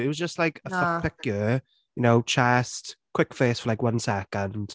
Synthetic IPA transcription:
ɪt̚wʌzd͡ʒəstlaɪkəfaɪkj | jənoʊt͡ʃʰɛstkʰw̥ɪkfeːsfəlajkwʌ̃nsɛkə̃nd̥

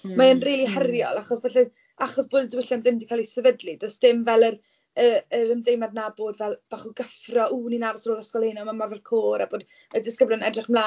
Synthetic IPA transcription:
maənriːlˠihɛrjɔ̰lˠaχɔsbɛɬɛ | aχɔsb̥oːdədwɪɬɛnðɪmdikʰalˠisəvədlidɔsd̥ɪmvɛlˠər | əəɾəmdejmadnaboːdvɛlˠb̥aːχuɡəfrɔʔuːninaɾɔsroːðɔskɔlˠhejnɔmamarvɛlˠkʰoːɾaboːd | ədɪskəblˠɔnɛdrɪχmlˠa

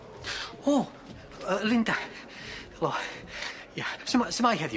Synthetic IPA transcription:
oː | əlɪnda | lo | jasəmsəmajɦɛðj

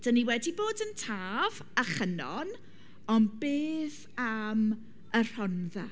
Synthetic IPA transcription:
d̥əniwɛdiboːdəntʰaːv | aχənɔn | ɔnbeːθ | am | ər̥ɔnða

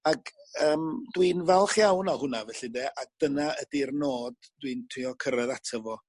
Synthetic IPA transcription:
aɡəːmdwinvɛlˠχjawnahʊnavɛɬɪdeːʔaɡ̚d̥ənaədirnoːddwintʰiɔkʰəɾəðatʰəvɔ

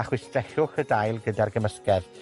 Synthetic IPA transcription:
aχwɪstrɛɬʊxədajlˠɡədarɡəməskɛð

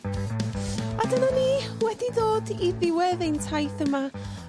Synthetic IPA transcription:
adənaniːwɛdidoːdiðɪwɛðejntʰajθəma

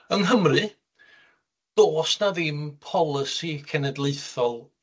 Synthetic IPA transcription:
ənɦəmrɨ | d̥oːsnaðɪmpʰɔlˠɪsikʰɛnɛdlˠeɨθɔlˠ

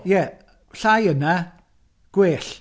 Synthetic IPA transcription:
jɛ | ɬajəna | ɡ̥weːɬ

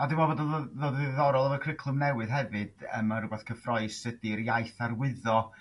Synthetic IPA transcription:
adɪmɔvɔdəððoːdððɔɾɔlˠəvɔkʰrɪkʰlˠʊmnɛwɨð̥ɦɛvɨd̥ə̰maɾəɡaθkʰəfrɔɨsədijajθarwɪðɔ

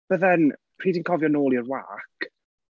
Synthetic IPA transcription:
v̥əðɛnpʰr̥iːdinkʰɔvjɔnoːlˠjəɾwa̰k

